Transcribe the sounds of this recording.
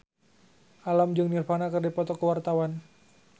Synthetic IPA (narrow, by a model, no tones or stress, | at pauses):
ʔalamd͡ʒɨŋnirfanakərdipɔt̪ɔkəwart̪awan